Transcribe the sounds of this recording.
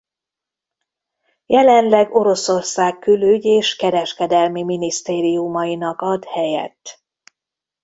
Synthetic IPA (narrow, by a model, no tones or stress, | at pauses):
jɛlɛnlɛɡo̞ɾo̞so̞rsaːkkːyløɟeːʃkɛɾɛʃkɛd̪ɛlmiminist̪eːɾijumɒjinɒkɒd̪hɛjɛ̰t̪ː